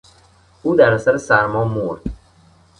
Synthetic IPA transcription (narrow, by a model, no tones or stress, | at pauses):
uːd̪æɾæsæɾesæɾmɒːmoɾd̪̥